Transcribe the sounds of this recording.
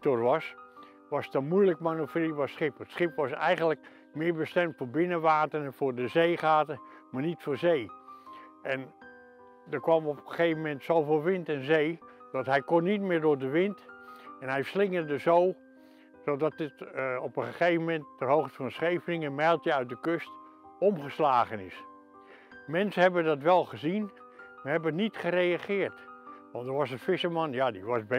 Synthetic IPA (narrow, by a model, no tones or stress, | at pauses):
torʋɑs | ʋɑstɔmujləkmanopriʋɔsχɪpətsχɪpʋɑsɛ̰jɣənlək | mɪːɹbəstɛmtfoːɹbɪnəʋaːtərfʊːɹdəzeːχaːtərmaːrnitfoːɹzeː | ʔɛn | dərkʋɑmɔpxəxeːvəmɛntsowfoːlˠʋɪntɛnzeːdɔtɦɛjkonːitmɪːrdʊːɹdəʋɪntɛnɦɛjslɪŋədəsoː | sodɔt̚ətɔpənχəxejvəmɛntːɛrɦowxtə̥fɔnsχejfənɪŋənmɛjlˠtjəœɥt̚dəkøst | ɔmχəslaːɣənɪs | mɛnsəɦɛbəndɔtʋɛlˠxəzin | maɦɛbəətnitχərejaχɪːərtʋɑntdəɹʋɔsənfɪsəmɑnjadiʋɔsb